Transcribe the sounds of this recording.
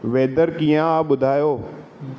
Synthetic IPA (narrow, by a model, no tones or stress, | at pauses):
ʋeːd̪əɾkiːjãɓʊd̪ʱaːjoː